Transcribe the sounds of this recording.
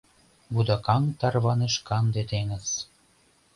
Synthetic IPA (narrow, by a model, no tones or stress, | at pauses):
βud̪ɑkɑŋt̪ɑrβɑneʃkɑnd̪et̪eŋə̆t͡s